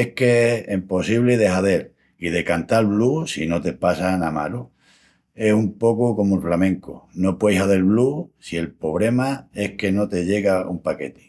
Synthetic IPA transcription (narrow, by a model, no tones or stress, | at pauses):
ehke̞impo̞siβleðe̞ɦaðe̞l | ið̞e̞kant̪alβlusino̞t̪e̞pasanama̰lo | e̞sumpo̞koko̞moelflamẽŋkono̞pwejsaðelβlusie̞lpo̞βɾe̞mae̞hke̞no̞t̪e̞ʎe̞ɣaumpake̞t̪e̥